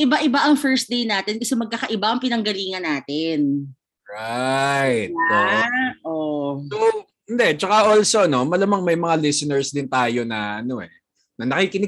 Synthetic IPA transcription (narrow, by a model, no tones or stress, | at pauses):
ʔɪbaʔɪbaʔɐŋfɛɹs̚d̪ejnaːt̪ɪnkɐsɛmɐɡ̚kakɐʔɪbaʔɐŋpɪnɐŋɡɐliːŋɐnːaːt̪ɪn | ɹajt̪̚oʔoo | ɪnd̪ɛt͡ʃɐkaʔoːlso̞ɐno̞mɐlɐmaŋmɐjmɐŋalɪsɪnɛɹsd̪ɪnt̪aːjo̞nɐʔɐno̞ʔɛ | nɐnɐkiːkɪnɪ